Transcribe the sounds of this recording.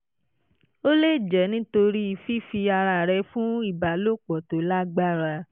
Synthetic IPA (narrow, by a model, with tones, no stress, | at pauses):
o˦le˦˨d͡ʒɛ˨˦nĩ˦to˧ɾi˦i˨fi˦fi˧a˧ɾa˧˨ɾɛ˧fũ˦i˦˨ba˨lo˦˨k͡pɔ˨to˨˦la˦ɡ͡ba˦˨ɾa˧